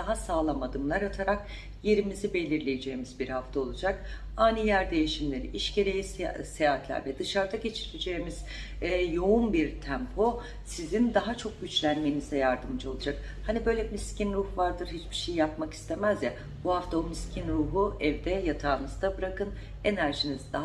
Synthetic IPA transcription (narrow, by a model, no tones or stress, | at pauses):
d̪aɦasaːlˠamad̪ɯmlˠaɾat̪ʰaɾak̚ | je̞ɾimizibe̞lʲiɾlʲejed͡ʒe̞jːimizbiɾhaft̪ʰao̞lˠud͡ʒak | aːnijæɾd̪e̞jiʃimlʲe̞ɾḭʔiʃɟe̞ɾe̞jissejaːt̪lʲæ̰ɾvɛd̪ɯʃaɾd̪aɟe̞t͡ʃʰiled͡ʒeːimiz̥ | jo̞unbiɾt̪ʰæmpʰo̞ | sizind̪aɦat͡ʃʰo̞k̚ɟyt͡ʃlʲænme̞nizd̪ɛjaɾd̪ɯmd͡ʒao̞lˠud͡ʒak | hanibø̞jlʲɛmiscinɾuhvaɾd̪ɯɾɦit͡ʃb̥i̥ʃejijap̚maki̥st̪ʰemæzja | buhaft̪ʰaomiscʰinɾuːɦuɛvd̪ɛjat̪ʰaːnɯzd̪abɯɾakʰɯn | e̞næɾʒinizd̪a